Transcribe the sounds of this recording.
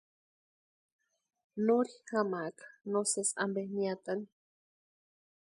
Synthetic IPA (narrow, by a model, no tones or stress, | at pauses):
noɾixamakḁnosesa̰mbehniat̪ani